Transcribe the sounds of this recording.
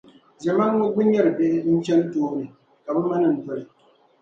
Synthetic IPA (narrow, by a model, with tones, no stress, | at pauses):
zɛ˨ma˦n˦ŋo˦bu˦ɲɛ˦˨ɾɨ˨be˦ʔɪ˦n̩˦t͡ʃɛ˦n˦toː˦ɾɨ˨ | ka˨bɨ˦ma˦nɨ˨n̩˨dɔ˨ɾɨ˨